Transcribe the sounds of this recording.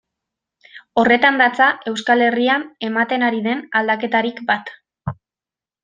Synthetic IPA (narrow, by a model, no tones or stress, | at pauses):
o̞re̞t̪and̪at͡saʔe̞wskale̞riane̞mat̪e̞naɾiðe̞nald̪ake̞t̪aɾikbat̪